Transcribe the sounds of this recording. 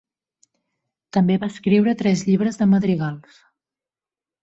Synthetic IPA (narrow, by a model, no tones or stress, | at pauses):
t̪əmbeβaːskɾiwɾət̪ɾɛzʎiβ̞ɾəzðəməðɾiɣalˠs